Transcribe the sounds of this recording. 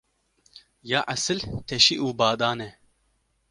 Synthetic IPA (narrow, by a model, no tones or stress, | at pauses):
jaːʔɐsɨlt̪ʰɛʃiʔuːbɑːd̪ɑːnɛ